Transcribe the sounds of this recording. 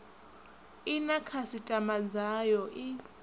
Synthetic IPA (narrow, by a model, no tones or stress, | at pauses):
inakʰasitʼamad͡zajɔʔi